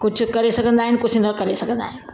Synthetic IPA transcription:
kʊd͡ʑʱʊ̆kɐɾesɐɡʱə̃nd̪aːɦɪnɪkʊd͡ʑʱɪnəkɐɾesɐɡʱə̃nd̪a̰ːɦɪnɪ

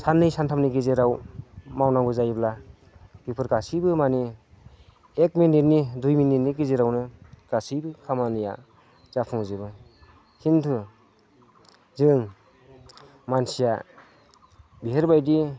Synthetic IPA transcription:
sanːɯjsantʰamniɡizeɾawmawnaŋɡɯzajbla | bipʰɯɾɡasibɯmani | ek̚minːitnidujminːinːiɡizeɾawnɯɡ̥asɯjbɯkʰamanɯja̰ | z̥apʰɯŋzɯbɯ | hintʰɯ | zɯŋ | mansija | biɦeɾbajdi

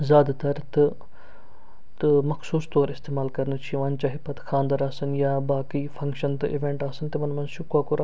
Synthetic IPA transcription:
zaːd̪t̪əɾt̪ | t̪məkʰsuːsd̪oːɾɪst̪eːmaːlkəɾnt͡ʃʰiʋaːnt͡ʃaːɦeːpɐt̪kʰãːnd̪əɾaːsənjaːbaːkiːpʰə̃ŋkʃənt̪ːʔɪʋẽːɳʈaːsənt̪eːmɐnmɐnʃʊkaːkoːɾa

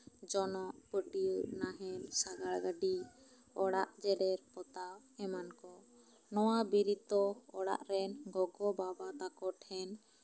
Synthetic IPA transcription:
d͡ʒɔnɔʔpəʈiunaɦɛnsaɡaɽɡaɖi | ɔɽaʔd͡ʒɛɖɛɾpɔt̪aw | ɛmankɔ | nɔwabiɾit̪ɔɔɽa̰ʔɾɛnɡɔɡɔbabat̪akɔʈʰhɛn

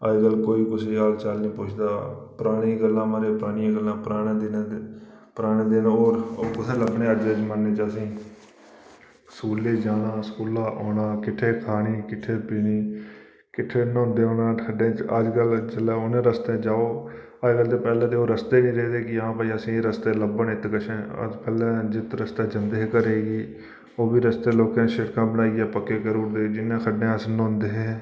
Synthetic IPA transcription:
əd͡ʒɡəlkoːiːkʊsiaːlt͡ʃəlnĩːpʊt͡ʃʰd̪aːpəɾaːɽ̃ĩːɡəlːãːmaːɾeːpəɾaːɽ̃ijãːɡəlːãːpəɾaːɽ̃ãːd̪ɪnãː | pəɾaːɽẽːd̪eːnaoːɾokʊsʰeːləbɳẽːəd͡ʒəd͡ʒmənːeːt͡ʃəsĩː | skuːleːd͡ʒaːɽãːskuːlãːʔoːnãːkɪʈʰːeːkʰaːɽiːkɪʈʰːeːpɪniː | kɪʈʰːeːnõːnd̪eːoːnãːkʰəɖẽːt͡ʃəd͡ʒkəld͡ʒəlɛːʊnẽːɾəst̪ẽːd͡ʒaːoː | əd͡ʒkəlt̪eːpɛːlẽːt̪eːoːɾəst̪eːnĩːɾeːd̪eːkɪɦãːpaːiːəsĩːeːɾəst̪eːləbənɪt̪kəʃẽːə̰d͡ʒpɛːlɛ̃ːd͡ʒɪt̪ɾəst̪eːd͡ʒənd̪eːɦkəɾeːɡiː | oːbiːɾəst̪eːloːkẽːʃɪɽkãːbənaːiːaːpəkːeːkəɾuːɾd̪eːd͡ʒɪnːẽːkʰəɖẽːəsnõːnd̪eːɦẽː

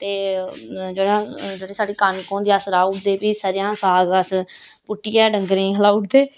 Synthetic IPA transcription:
t̪eː | d͡ʒeːɽaːd͡ʒeːɽeːsaːɖiːkənkõːnd̪iːasɾaːʊʈʰd̪eːpiːsəːɾɪjãːsaːɡəs | pʊʈːiːɛːɖəŋɡɾẽːɦlaːʊʈd̪eː

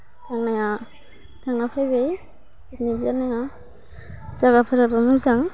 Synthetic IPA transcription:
tʰaŋnaja | tʰaŋnapʰajbej | itnibzanaja | zaɡapʰɯɾabamɯzaŋ

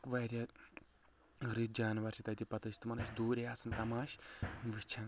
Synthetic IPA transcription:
kʋɐɾʲɐ | ɾit̪̚d͡ʒaːnʋɐɾʃʰit̪ɐt̪ʲipɐt̪ɐsʲt̪mɐnɐʃʲd̪uːɾʲeaːsɨnt̪ɐmaːʃʋit͡ʃʰɐn

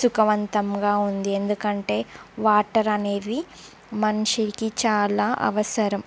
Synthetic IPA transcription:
sukɐʋɐnt̪ɐmɡaːund̪iend̪ukɐɳʈe̞ːʋaːʈɐɾɐne̞ːd̪i | mɐnuʂiɾikit͡ʃaːlaːʔɐ̰ʋɐsɐɾɐm

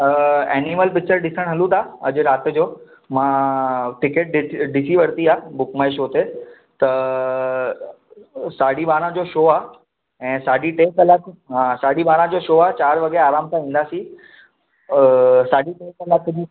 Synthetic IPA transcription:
ḛːniməlp̬ɪk̚t͡ɕəɾɗɪsəɽ̃ɦɐlũt̪aːɐ̰d͡ʑʊ̆ɾaːt̪ɪ̆d͡ʑoː | mãːʈɪkeʈ̚ɗɗɪsiʋɐɾt̪iaːbʊkmaːeʃoːt̪e | t̪ɐ | saːɖiɓaːɾãd͡ʑoːʃoːaː | ɛ̃ːsaːɖiʈeːkɐlaːkɦãːsaːɗibaːɾãd͡ʑoːʃoːaːt͡ɕaːɾʋɐɡeɾaːɾaːmt̪ʰãĩːn̆d̪aːsĩ | saːɗiʈeːkɐlaːkd͡ʑiː

